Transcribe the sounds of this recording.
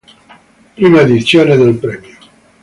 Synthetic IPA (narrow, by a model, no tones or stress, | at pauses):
pɾimaed̪isjoneðelpɾɛmjo